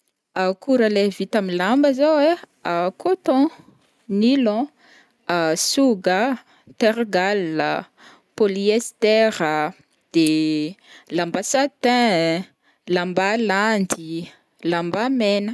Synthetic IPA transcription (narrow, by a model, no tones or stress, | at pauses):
akuɾəlevit̪amilambəzowe | akʰot̪ɔ̃ | nilɔ̃ | asuɡə | t̪eɾɡalːə̰ | poliest̪ɛɾə | d̪̥e | lambasat̪ɛ̃ | lambaland̪i | lambamenə